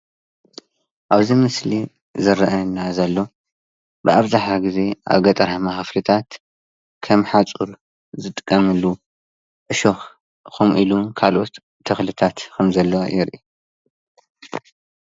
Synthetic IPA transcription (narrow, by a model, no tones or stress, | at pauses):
ʔaβzimɨsli | zɐɾɐʔɐnazɐlːo̞ | bɨaβzaħaɡize̞ʔa̰βɡɐt̪ʼɐɾamaxɨflɨt̪ʰat̪ | kʰɐmħat͡sʼuɾ | zɨt̪ʼɨkʼːɐmɨlːu | ʔɨʃox | kʰumʔilukʰalʔo̞t̪ʰː | ɐxlɨt̪ʰat̪kʰɐmzɐlːojɪɾʔi